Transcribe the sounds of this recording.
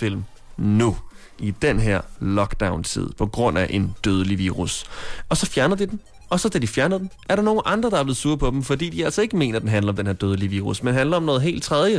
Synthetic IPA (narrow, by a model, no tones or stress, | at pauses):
fil̰m | nu | ʔid̥enɦeɐ̰lɒ̽ɡ̥d̥äʊnt͡sʰḭð̰ˠpʰɒ̽ɡ̥ʁɔ̽n̰æʔe̝nd̥øːð̞ˠəliʋiːʁusɒ̽sɒ̽fjæɐnəð̞̩ˠd̥id̥en | ɒ̽sɒ̽d̥æd̥ifjæɐnðˠd̥enʔæɐɾɑ̈no̝ːn̩ʔɑ̈nd̥ʁɐd̥ɑ̈æɐb̥le̝ð̩ˠsuːɐpʰɒ̽d̥em̩fɒ̽d̥ḭːd̥iæl̰sɐe̝ɡ̥əme̝̰ːnɐd̥enɦænlɐɒ̽md̥enhe̝ɐd̥øːð̞ˠliʋiːʁusmenɦænlɐɒ̽mnɔːð̩ˠe̝̰ːld̥̚t͡sʰʁɛðˠjə